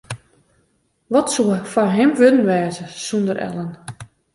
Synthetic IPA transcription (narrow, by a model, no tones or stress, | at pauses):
ʋɔtsuəfanɦɪmʋødn̩ʋɛːzəsundəɾʔɛ̰lˠən